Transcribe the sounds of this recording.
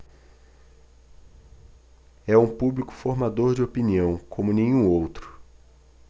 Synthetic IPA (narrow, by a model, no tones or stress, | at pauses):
ɛũpublikʊ̥foɾmad̪oɾd͡ʒɪopiniɐ̃w̃kʰõmʊnẽjɲũowt̪ɾʊ̥